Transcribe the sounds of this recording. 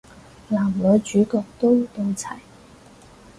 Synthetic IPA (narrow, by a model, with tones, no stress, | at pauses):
laː˨˩mlɵ˨˧t͡ʃyː˨˥kɔː˧k̚t̪o˥wt̪o˧wt͡sʰɐ˨˩j